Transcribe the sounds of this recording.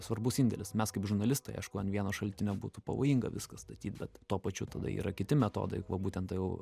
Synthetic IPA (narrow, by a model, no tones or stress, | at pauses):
sʋɐrbʊsɪnʲd̪ʲɛlʲɪsmʲɛskɐɪpʒʊɾnɐlʲɪst̪ɐɪɐ̰ɪʃkʊɐnʋʲiɛnoːʃɐlʲt̪ʲɪnʲoːbuːt̪ʊpɐ̰ʋoːjiŋɡɐʋʲɪskɐst̪ɐt̪ʲiːt̪bʲɛt̪tuɔpɐt͡ʃʲʊt̪ɐd̪ɐ̰ḭːɾɐkʲɪt̪ʲɪmʲɛt̪o̰ːd̪ɐɪʋɐbuːt̪ʲɛnt̪ɐjɛʊ